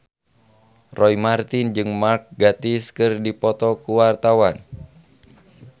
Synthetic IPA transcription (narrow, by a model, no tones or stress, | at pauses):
rɔjmart̪ind͡ʒɨŋmark̚ɡat̪iskɨrdipɔt̪ɔkuwart̪awan